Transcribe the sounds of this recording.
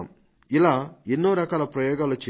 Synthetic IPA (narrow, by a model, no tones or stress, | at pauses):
m | ilaːenːoːɾɐkaːlɐpɾɐjɔːɡaːlut͡ʃe